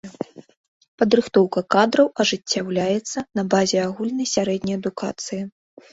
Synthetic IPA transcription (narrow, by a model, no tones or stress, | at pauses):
pɐd̪ɾɨxt̪ɔwkɐkad̪ɾɐwɐʐɨt͡sʲːawlʲajɛt̪sːɐnɐbazʲɛaɣulʲnɐjsʲaɾɛd̪ʲnʲɐjɐd̪ukʰa̰t̪sɨji